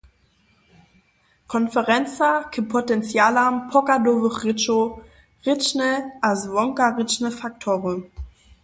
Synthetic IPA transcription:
kʰɔnfəʁɛnt͡sakʰəpʰotɛnt͡sjaːlampʰɔkadovəʁɪt͡ʃo | ʁɪt͡ʃnəʔasvɔŋkaʁɪt͡ʃnəfak̚tʰoːʁə

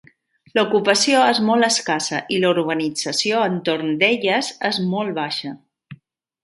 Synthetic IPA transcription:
lukupəsioezmɔlˠəskasəʔiluɾβənid͡zəsioənt̪oɾnd̪eʎəzezmɔlˠβaʃə

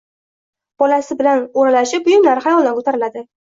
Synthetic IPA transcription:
b̥ɒlasɪbɪlanoɾalaʃɪp̚bʊjʊmlaɾɪχajɒlˠd̪ankʰot̪ʰaɾɪlad̪ɪ

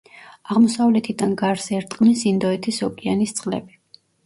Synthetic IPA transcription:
aʁmɔsavlɛt̪ʰid̪anɡaɾsɛɾt̪ʼqʼnisind̪ɔɛt̪ʰisɔkʼianist̪sʼqʼlɛ̰bi

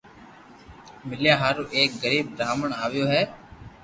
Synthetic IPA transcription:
mɪljaːɦaːɾuːʔeːk̚ɡəɾiːb̚d̪aːməɳaːʋɪjoːɦɛː

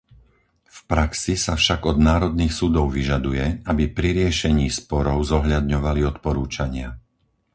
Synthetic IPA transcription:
fpɾaksisafʃaɡɔd̪naːɾɔd̪̚niːxsud̪ɔʊʋiʒad̪ujɛabipɾiɾɪɛʃɛɲiːspɔɾɔʊzɔɦʎad̪ɲɔʋaliɔt̪pɔɾuːt͡ʃaɲɪa

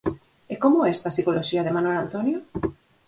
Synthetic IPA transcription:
ekomoest̪asikoloʃiaðemanelant̪onjo

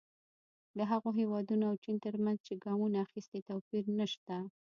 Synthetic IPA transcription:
d̪əɦaɣoɦewɑd̪unoawt͡ʃint̪əɾmanzt͡ʃeɡɑmunaːxist̪et̪apiɾnəʃt̪a

